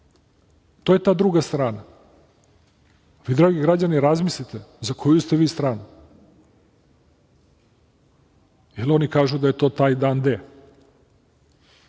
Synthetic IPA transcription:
t̪ojet̪aːd̪ɾuɡast̪ɾaːna | ʋid̪ɾaːɡiɡɾad͡ʑaniɾazmislit̪ezakʰojust̪eʋiːst̪ɾaːnu | jelo̞nikaːʒud̪ajet̪o̞ːt̪aːjd̪aːnd̪e

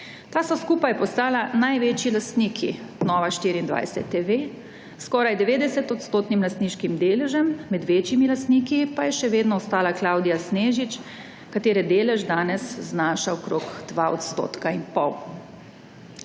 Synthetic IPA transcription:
t̪aːsɔskuːpajpɔst̪aːlanajʋet͡ʃilast̪niːkʰḭnɔːʋaʃt̪iːɾind̪ʋa̰jsɛ̰t̪ːeʋeː | skɔːɾajd̪ɛʋeːd̪ɛsɛt̪ɔt̪st̪oːt̪nimlast̪niːʃkimd̪eːlɛʒɛmːɛd̪ʋeːt͡ʃimilast̪niːkipajɛʃɛʋeːd̪nɔɔst̪aːlaklaːwd̪ijasneːʒit͡ʃ | kat̪eːɾɛd̪eːlɛʒd̪aːnɛsznaːʃaɔkɾoːkd̪̥ʋaɔ̰t̪st̪o̰ːt̪kainpɔw

